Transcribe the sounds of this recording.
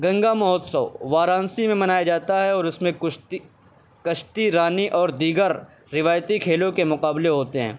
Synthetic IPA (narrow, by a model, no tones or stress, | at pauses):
ɡɐ̃ŋɡamɔɦɔt̪sɐːʋaːɾãːnsimẽmɐnaːjad͡ʒaːt̪aɦɛɔːɾɪsmẽ | kɐʃt̪iɾaːniʔɔːɾd̪iːɡəɾː | ɪʋaːjt̪ikʰeːlõkemʊqaːbleɦoːt̪eɦɛ̰̃ː